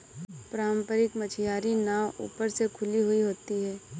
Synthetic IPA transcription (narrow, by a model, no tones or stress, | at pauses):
pɾaːmpəɾɪkmət͡ʃʰɪjaːɾinaːṵːpəɾsekʰʊliɦʊiɦoːt̪iɦɛː